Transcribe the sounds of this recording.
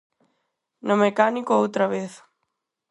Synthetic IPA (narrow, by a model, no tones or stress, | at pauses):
nʊmekanikoowt̪ɾɐβeθ